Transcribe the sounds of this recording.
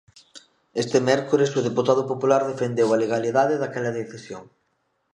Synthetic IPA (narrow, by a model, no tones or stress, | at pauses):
est̪emɛɾkoɾesʊð̞eput̪aðʊpopulaɾðefend̪ewɐleɣaliðaðeðakɛlɐðeθisjoŋ